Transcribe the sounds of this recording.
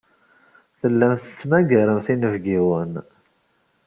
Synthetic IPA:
θəlːæmθə̥t͡sːmæɡəɾəmθinəvɡiwən

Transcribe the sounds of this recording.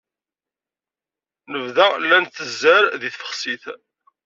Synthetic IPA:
nəvðælːænθəzːæɾðiθfə̥χsiθ

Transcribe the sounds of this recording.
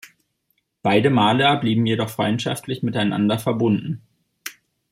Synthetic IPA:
b̥aɪdəmaːləbliːbm̩jedɔχfʁ̥ɔʏntʃa̰ftʰlɪçmɪtaɪna̰ndɐfɛɐbʊndn̩

